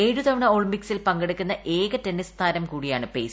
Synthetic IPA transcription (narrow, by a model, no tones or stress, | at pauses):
eːɻud̪ɐʋɐɳɐoɭimbiksilpɐŋɡeɽukʲːunːɐʔʔe̞ːɡɐtːenːist̪ʰaːnɐmkuːɽijaːɳɨpḛː